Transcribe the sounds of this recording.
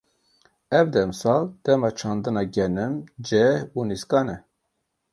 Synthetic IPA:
ɛvd̪ɛmsɑːld̪̥ɛmɑt͡ʃʰɑnd̪ɨnɑɡɛnɨmd͡ʒɛhuniskɑnɛ

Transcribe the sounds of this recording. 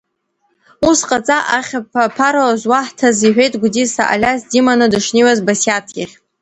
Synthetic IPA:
usqʼat͡sʼaʔaχʲapapʰaɾalazwaħtʰaziħʷᶣejtʼɡʷʊdisa̰ʔa̰lʲasdimanɨdɨʂniwazbasjatʰɡʲɪχʲ

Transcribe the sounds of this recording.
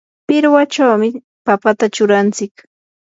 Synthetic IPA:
pɪɾwat͡ʃawmɪ | papat̪at͡ʃʊɾant͡sɪk

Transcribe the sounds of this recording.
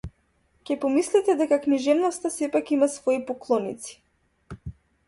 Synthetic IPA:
cʲɛpɔmislit̪ɛd̪ɛkakniʒɛvnɔst̪asɛpakimasvɔipɔklˠɔnḭt̪si̥

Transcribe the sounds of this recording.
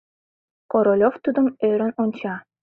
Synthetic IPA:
koɾolʲoft̪ud̪ə̆møɾə̆nonʲt͡ɕɑ

